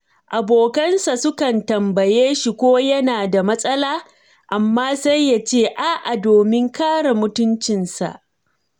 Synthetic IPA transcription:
ʔa˨boː˨kɐ˦nsa˨sʊ˦kɐ˨ntɐ˨mbɐ˨jeː˦ʃi˨kʷoː˦jɐ˦naː˨da˨mɐ˦sʼɐ˦laː˦ | ʔa˨mːaː˦sa˦jːa˦t͡ʃeː˦˨ʔa˦˨ʔa˨doː˨mɪ˦ŋkaː˦ɽa˨mʊ˦tʊ˦nt͡ʃɪ˨nsa̰˨ʔ

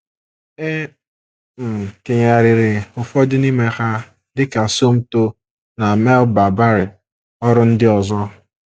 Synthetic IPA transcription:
e˦ | m̩˨ke˨ɲa˨ɾɪ˨ɾɪ˨ʊ˨fɔ˦dɪ˦ni˦me˦ha˦ | dɪ˦ka˨so˦m̩˦to˦ | na˨me˦lba˨ba˦ɾɪ˨ | ɔ˦ɾʊ˦n̩˦dɪ˦ɔ˨zɔ˦

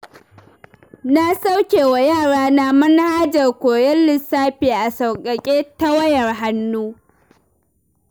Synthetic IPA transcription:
na˦sa˦wkʲeː˨wa˨jaː˦˨ɽaː˦na˨mɐ˦n˦haː˦d͡ʒɐ˨rkʷoː˨jɐ˦lːɪ˨saː˦ɸeː˨ʔa˨sa˨wkʼɐ˨kʲʼeː˦ta˦wɐ˦jɐ˨rɦa˦nːuː˦

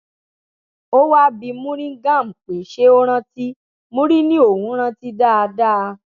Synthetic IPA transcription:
o˦wa˦bi˧mũ˦ɾĩ˦ɡã˦˨m̩̃˨k͡pe˨ʃe˦o˦ɾ̃ã˦ti˦ | mũ˦ɾi˦nĩ˦o˦˨hũ˨˦ɾ̃ã˧ti˦da˦a˧da˦˨˧

